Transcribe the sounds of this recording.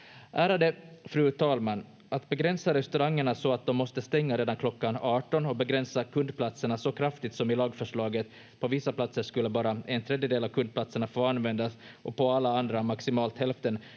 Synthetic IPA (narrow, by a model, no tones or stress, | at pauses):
ʔæːɾad̪əfɾʉ̟ːt̪ʰɑːlmanː | ʔat̪bɛɡɾɛnsaɾɛst̪ɵɾaŋːəɳasɔat̪̚d̪ɔmːɔst̪əst̪ɛŋːaɾeːd̪ankʰlɔkːanɑːʈɔnɔbɛɡɾɛnsakʰɵnd̪pʰlat̪səɳasɔkʰɾaft̪ɪt̪sɔmɪlɑːɡfœʂɭɑːɡət̪ | pʰɔvɪsːaplat̪səʂkɵlːəbɑːɾaɛnt̪ʰɾɛd̪jəd̪eːlavkʰɵnd̪̚pʰlat̪səɳafoːanvɛnd̪asʔɔpʰɔalːaand̪ɾamaksɪmɑːlt̪hɛlft̪ən